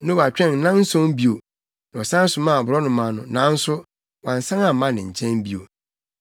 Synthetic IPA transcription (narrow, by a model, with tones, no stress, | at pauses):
nʊ̃˦wa˨t͡ɕᶣɛ̃˦˨n˨nã˦n̩˦sɔ̃˦m˦bi˦o˨ | ñ˨ɔ˨sã˦sʊ˨mã˦˨bʊ˨ɾɔ˦nʊ̃˨mã˨nʊ̃˨nã˨˦n̩˦sʊ˦ | wã˨n˨sã˦ŋã˨mːã˦nɪ̃˨ɲ̩˨t͡ɕʰɛ̃˦n˦bi˦o̰˨